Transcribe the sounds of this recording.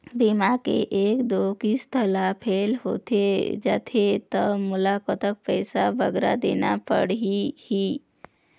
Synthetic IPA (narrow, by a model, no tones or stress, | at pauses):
bimakḛʔeːkd̪okist̪ʰəlapʰelɦo̰t̪ed͡ʒaːt̪ʰet̪əmʊlakət̪ək̚pɛɪsabəɡɾa̰d̪enapə̰ɽihi